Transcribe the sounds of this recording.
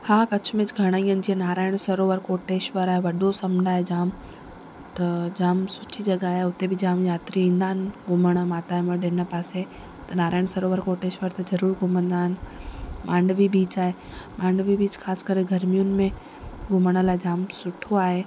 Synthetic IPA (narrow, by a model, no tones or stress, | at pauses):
haːkɐt͡ɕʰʊmẽd͡ʑɡʱɐɽ̃aːĩjənɪ̆d͡ʑienaːɾaːɪɽ̃sɐɾoːʋəɾkoːʈeːʃʋəɾaːɦeʋɐɗosɐmɳaːɦed͡ʑaːm | t̪ɐd͡ʑaːmsʊt͡ʃʰid͡ʑɐɠaːɦeʊt̪ebɪd͡ʑaːmjaːt̪ɾiĩːnd̪aːɦɪnɡʱʊməɽ̃maːt̪aːeməɗeːnəpaːse | t̪ɐnaːɾaːɪɽ̃sɐɾoːʋəɾkoːʈeːʃʋəɾt̪ɐzɐɾuːɾɡʱʊmə̃nd̪aːɦɪnɪmãːɳɖʋibiːt͡ɕaːɦe | mãːɳɖʋibiːt͡ɕxʰaːsɪ̥kəɾeɡʱɐɾmijʊnɪ̆mẽ | ɡʱʊməɽ̃ə̆laːɪd͡ʑaːmsʊʈʰoaːɦe